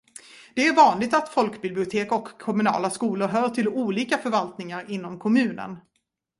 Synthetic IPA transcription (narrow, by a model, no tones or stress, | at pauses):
d̪̥ɛæɾvɑːnlɪɡ̚t̪at̪fɔlkbɪblɪʊt̪ʰeːkɔkʰːɔmɵnɑ̰ːlaskuːlʊɾɦœːʈʰɪluːliːkafœɾvalt̪nɪŋaɾɪnːɔmkʰɔmʉ̟ːnə̰n